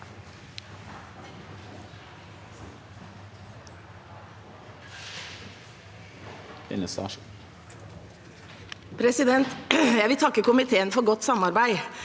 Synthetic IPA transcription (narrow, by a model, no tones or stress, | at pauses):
ɛ̰nəsɑ̰ʃ | pʰɾɛsɪd̪ɛnt̪jæɪʋɪt̪ʰɑkːəkʊmɪt̪ʰeːənfɔɾɡɔt̪sɑmɑɾbæɪ